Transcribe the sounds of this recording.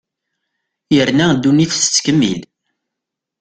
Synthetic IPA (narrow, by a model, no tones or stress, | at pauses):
jəɾnæd̪ːuniθsə̥t͡sːkəmːḭl